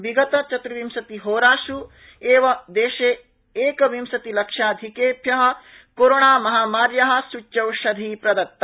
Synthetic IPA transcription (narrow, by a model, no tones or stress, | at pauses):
ʋiɡɐt̪ɐt͡ʃɐt̪ɾuʋimsɐt̪iɦoːɾaːʃu | eːʋɐd̪eːʃeː | eːkɐʋimsɐt̪ilɐkʂaːd̪ʱikeːpjɐɦɐ̆ | koːɾoːɳaːmɐɦaːmaːɾjɐɦɐ̆sut͡ʃːɐwʃɐd̪ʱiːpɾɐd̪ɐt̪ːɐ